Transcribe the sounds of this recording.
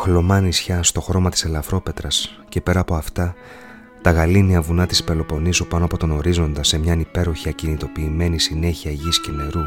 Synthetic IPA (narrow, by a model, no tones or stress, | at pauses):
xlo̞mɐnisçɐst̪o̞xɾo̞mɐt̪i̥se̞lɐfɾo̞pe̞t̪ɾɐs | ce̞pe̞ɾɐːpo̞ɐft̪ɐ | t̪ɐɣɐliniɐvunɐt̪ispe̞lo̞po̞nisupɐno̞ɐpo̞t̪o̞no̞ɾizo̞nd̪ɐse̞mɲɐnipe̞ɾo̞çiɐcinit̪o̞piːme̞nisine̞çiɐʝisce̞ne̞ɾu